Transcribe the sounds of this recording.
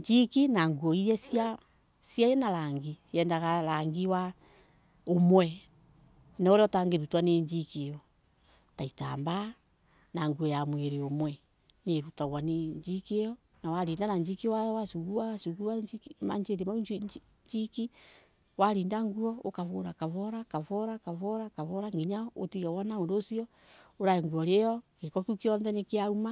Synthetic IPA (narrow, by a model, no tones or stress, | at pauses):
ɲd͡ʒikinaŋɡuɔiɾɛsia | sijajɛnaɾaŋɡijɛːndaɣalaŋɡiwa | omwɛ | nɔɾɔtaŋɡeɾutwaneɲd͡ʒikejɔ | taitaːmba | naŋɡuɔjamweɾeomwɛ | neɾutaɣwaneɲd͡ʒikejɔ | nawaɾiːndanaɲd͡ʒikiwajɔwasuɣuawasuɣuama̰ɲd͡ʒeɾema | ɲd͡ʒiki | waɾiːndaŋɡuɔokaβoɾakaβɔɾakaβɔɾakaβɔɾakaβɔɾaŋɡiɲaotiɣawanaondosiɔ | oɾaeŋɡuɔɾejɔkekɔkukiɔnðɛnekeaɾuma